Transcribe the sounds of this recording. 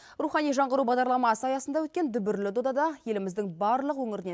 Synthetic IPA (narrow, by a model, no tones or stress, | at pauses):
ɾuχɑnijʒɑɴʁəɾubɑʁd̪ɑɾlˠɑmɑsəɑjɑsənd̪ɑwɵt̪kʲend̪ʏbɪɾlɪd̪od̪ɑd̪ɑje̞lɪmɪzd̪ɪŋbɑɾlˠəqwɵŋɪɾɪne